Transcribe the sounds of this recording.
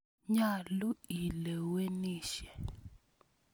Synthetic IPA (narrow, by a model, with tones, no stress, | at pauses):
ɲa˨lu˦i˨lɛ˨we˦niː˦˨ʃɛ˨